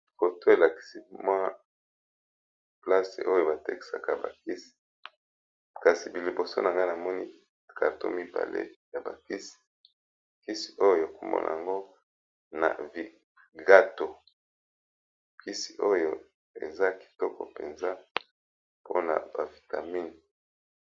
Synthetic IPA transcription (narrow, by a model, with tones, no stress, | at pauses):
ko˨to˦e˨la˨ki̥˨si˦mwa˦ | pla˦sḛ˨ʔo˦jo˦ba˨te˦ki̥˨sa˨ka˦ba̰˨ki˦si̥˨ | ka˨si˨bi˨li˨bo˨so̰˦na˨ŋɡa˦na˨mɔ˦ni˦ | ka˨to̰˦mi˦ba̰˨lḛ˦ja˨ba̰˨ki˦si̥˨ | ki˦si̥˨ʔo˦jo˦jo˦˨a˨ko˨mɔ̰˦nʔa̰˨a˨ŋɡo˦ | na̰˨vi˨ | ɡa˦to˨ | kʰi˦si̥˨ʔo˦jo˦ | ḛ˨za˦ki̥˨tɔ˦kɔ̰˨pe˨nza˦ | po˦na̰˨ba˨vi˨ta˨mi˦n˨